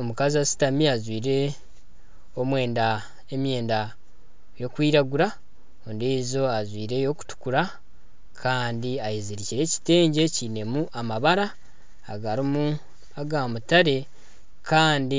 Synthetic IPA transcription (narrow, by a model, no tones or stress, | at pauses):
omukaziasi̥tamiazwiːɾe̞ | omwe̞ːnda | e̞mje̞ːnda | jo̞kwiːɾaɡuɾa | ondizo̞azwiːɾe̞jo̞ku̥tu̥kuɾa | kʰaːndiajiziɾiciɾe̞ci̥te̞ːɲɟe̞cine̞muʔamaβaɾaː | ɡaɾimu | aɡamutaɾe̞ | kʰaːndi